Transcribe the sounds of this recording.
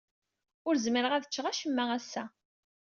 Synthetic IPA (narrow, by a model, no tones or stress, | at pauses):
ʊɾzməɾəʁæðət͡ʃːʁæʃəmːææsːæ